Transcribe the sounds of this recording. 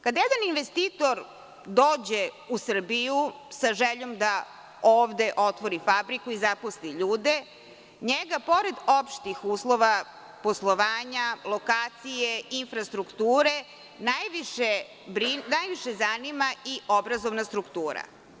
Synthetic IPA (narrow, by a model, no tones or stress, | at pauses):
kad̪ajed̪aninʋest̪iːt̪o̞ɾ | d̪oːd͡ʑe̞ | usr̩biju | saʒeʎo̞md̪a | oːʋd̪e̞ʔo̞t̪ʋo̞ɾifabɾikuizaposliʎuːd̪e | ɲeɡapo̞ɾe̞d̪o̞pʃt̪ixuːslˠo̞ʋa | poslˠoʋaːɲalˠo̞kaːt̪sijeinfɾast̪ɾukt̪uːɾe | najʋiʃe | bɾinajʋiʃezanimaio̞bɾazoʋnast̪ɾukt̪uːɾa̰